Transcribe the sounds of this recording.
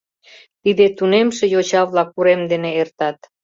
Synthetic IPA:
t̪id̪et̪unemʃejot͡ɕɑβlɑkuɾemd̪eneːrt̪ɑt̪

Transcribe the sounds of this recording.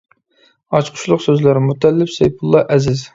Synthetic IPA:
ɑt͡ʃqʰʊ̥ʃlˠʊqsøzlæɾɪmut̪ɛlːɪpsɛjpʰulˠːɑʔɛzɪz

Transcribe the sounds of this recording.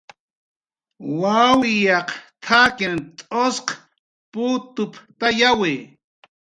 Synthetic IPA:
wawɪjɑqt̪ʰakɪnt̪ʼosq | pʊt̪ʊpt̪ajaweː

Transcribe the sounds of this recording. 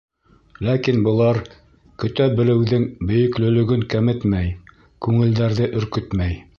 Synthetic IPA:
lækinbɤ̆lˠɑɾ | kɵ̆t̪æbɘ̆lɘ̆wðɘŋbɵ̆jɵ̆klɵ̆lɵ̆ɡɵŋkæmɘt̪mæj | kʉŋɘ̆ld̪æɾðɘʔɵ̆ɾkɵt̪mæj

